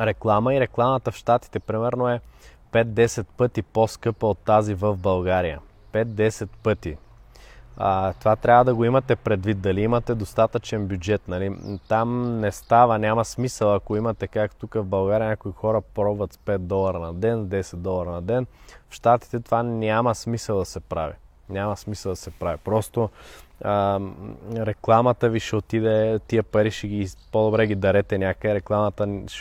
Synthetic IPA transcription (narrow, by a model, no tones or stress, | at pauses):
ɾɛklˠaməiɾɛklˠamət̪əfʃt̪at̪i̥t̪ɛpɾimɛɾnoɛ | pɛt̪̚d̪ɛsɛt̪̚pɤt̪iposkɤpəot̪ːazivəvbɐlˠɡaɾijə̰ | pɛt̪̚d̪ɛsɛt̪pɤt̪i | ət̪ovat̪ɾʲavəd̪ɐɡoimɐt̪ɛpɾɛd̪vit̪̚d̪ɐliimɐt̪ɛd̪ost̪at̪ət͡ʃɛnbjud͡ʒɛt̪nɐlit̪amnɛst̪avənʲamɐsmisəlˠɐkoimɐt̪ɛkakt̪ukəvbɐlˠɡaɾʲijənʲakoixɔɾəpɾɔbvɐt̪spɛt̪̚d̪ɔlˠɐɾɐnɐd̪ɛnd̪ɛsɛt̪̚d̪ɔlˠɐɾɐnɐd̪ɛnfʃt̪at̪i̥t̪ɛt̪ovanʲamɐsmisəlˠd̪ɐsɛpɾavi | nʲamɐsmisɐlˠd̪ɐsɛpɾavipɾɔst̪oə | ɾɛklˠamɐt̪əviʃɛot̪id̪ɛt̪iəpɐɾiʃɛɡipod̪obɾɛɡid̪ɐɾɛt̪ɛnʲakəɛɾɛklˠamɐt̪əʃ